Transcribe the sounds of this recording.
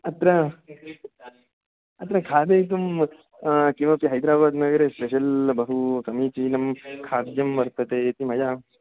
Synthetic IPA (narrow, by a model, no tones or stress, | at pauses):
ɐt̪ɾɐ | ɐt̪ɾɐkʰaːd̪eit̪̬um | kĩʋapiɦɐjd̪ɾaːbaːd̪nɐɡəɾeːspeʃɐlbɐɦukɐmiːt͡ʃiːnɐmkʰaːd̪jɐmʋɐɾt̪ɐt̪eːt̪imɐd͡ʒaː